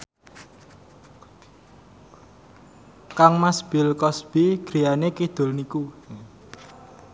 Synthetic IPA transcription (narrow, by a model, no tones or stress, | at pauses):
kaŋmasb̥ɪ̤lkɔsb̥iɡ̥ɾijanekid̪̥ʊ̤lniku